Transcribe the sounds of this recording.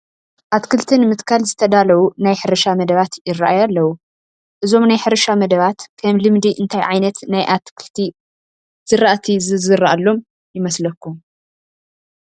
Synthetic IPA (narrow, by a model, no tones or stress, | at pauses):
ʔat̪kʰɨlt̪ʰɨnmɨt̪kʰalzɨt̪ʰɐd̪alɐwunajħɨɾɐʃamɐd̪ɐβat̪jɪraʔajalːɐwu | ʔɨzo̞mnajħɨɾɐʃamɐd̪ɐβat̪kʰɐmlɨmd̪iʔɨnt̪ʰajʕajnɐt̪najʔat̪kʰɨlt̪ʰi | z̥ɨɾaʔt̪ʰizɨzɨrːaʔalːo̞m | jɪmɐslɐkːum